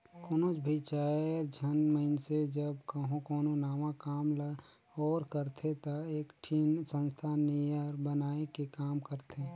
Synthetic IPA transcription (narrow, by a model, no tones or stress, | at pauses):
koːnot͡ʃbʱit͡ʃaːɾd͡ʒʱənməɪnsed͡ʒəbkəɦõkoːnonaːmãkaːmla | ɔːɾkəɾt̪ʰet̪aeːkʈʰinsə̃nst̪ʰaːnːiəɾbənaːekekaːmkəɾt̪ʰeː